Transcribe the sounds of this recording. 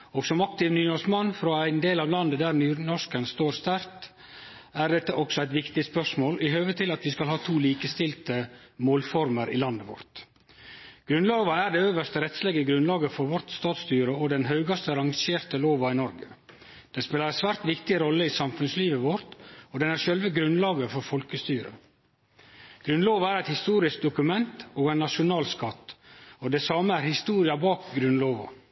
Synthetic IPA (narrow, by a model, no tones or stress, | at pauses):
ɔɡsɔmɑk̚t̪ɪʋnyːnɔʂkmɑnːfɾoːæɪnd̪eːlɑːʋlɑnd̪əd̪æːɾnyːɾnɔʂkənst̪oːɾst̪æɾt̪ | æɾɖ̪ɛt̪ːəʔɔksɔæɪt̪ʋɪkt̪ɪspœʂmoːlʔɪɦøːʋət̪ʰɪlɑt̪ʋɪskɑlɦhɑːt̪ʰuːliːkəst̪ɪlt̪əmoːlfɔɾməɾʔɪ̰ːlɑnd̪əʋɔ̰ɾt̪ | ɡ̥ɾʉnloːʋɑæɾd̪ɛːøːʋəʂt̪əɾɛt̪sleːɡəɡɾʉnlɑːɡəfɔɾʋɔɾt̪st̪ɑːt̪st̪yːɾəɔd̪ɛnɦœʉɡɑst̪əɾɑŋʃeːɾt̪əloːʋɑɪnɔɾɡə | d̪̥ɛnspeːlɑɾsʋæːɾt̪ʋɪkt̪ɪɾɔlːəisɑmfʉnsliːʋəʋɔɾt̪ɔd̪ɛnæɾʃœlʋəɡɾʉnlɑːɡəfɔɾfɔlkəst̪yːɾə̰ | ɡ̥ɾʉnloːʋɑæːɾɛɪt̪hɪst̪uːɾɪsk̚d̪ʊkʉmɛnt̪oːɡɛɪnːɑʂʊnɑːlskɑt̪ːɔd̪ɛːsɑːməæːɾhɪst̪uːɾɪɑbɑːkɡɾʉnloːʋɑ̰